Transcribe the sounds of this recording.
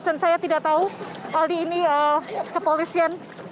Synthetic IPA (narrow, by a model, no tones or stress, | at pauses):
sansajat̪idaʔt̪aualiːniəkəpolisian